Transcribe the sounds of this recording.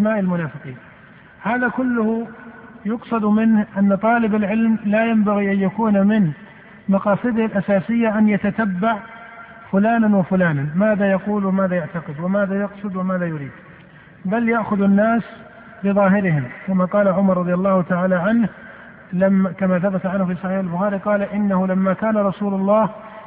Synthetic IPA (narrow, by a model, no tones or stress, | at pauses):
maːʔɪlmʊnaːfɪqiːn | haːðakʊlːʊhʊjʊqsˤɑd̪mɪnhʔanːat̪ˤɑːlɪbalʕɪlmlajambaɣiʔanjakuːnmɪn | mɑqɑːsˤɨd̪ɪhalʔasaːsɪjːaʔanjat̪at̪abːaʕ | fʊlaːnanwɪfʊlaːnanmaːðajɑquːlwɪmaːðajaʕt̪aqɪd̪wɪmaːðajɑqsˤɨd̪wɪmaːðajʊɾiːd̪ | baljaʔxʊðanːaːs | bɪðˤɑːɦɪɾɪhɪmkamaqɑːlaʕʊmɑɾˤɑðˤjalˤːɑːhʊt̪aʕaːlaʕanh | lakamaθabat̪ʕanhʊfiːsˤɑħiːħalbʊxaːɾiqɑːlaʔɪnːahʊlamːakaːnaɾˤɑsuːlʊlˤːɑːh